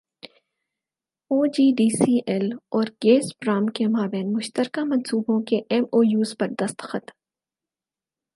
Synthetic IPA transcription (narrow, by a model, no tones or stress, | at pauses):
oːd͡ʒiːɖiːsiːʔɛlɔːɾɡeːsbɾaːmkemaːbɛːnmʊʃt̪əɾkamɐ̃nsuːbõkeʔɛmoːjuːzpɐɾd̪ɐst̪xət̪